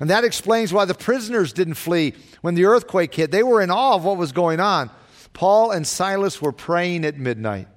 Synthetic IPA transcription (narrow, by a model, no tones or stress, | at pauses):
ɨ̃nðɨɾɨksplẽɪ̃nzwaɪðɨpʰɹ̥ɪzənə˞zdɪdⁿn̩tfli | wə̃nðiɜ˞θkʰw̥eɪkhɪt̚ðeɪwə˞ɨ̃nɔlˠwʌt̚wʌzɡoʊɪ̃ŋə̃n | pʰɔlˠə̃nsaɪlˠəswə˞pʰɹ̥eɪɪ̃ŋɨt̚mɪdⁿna̰ɪt̚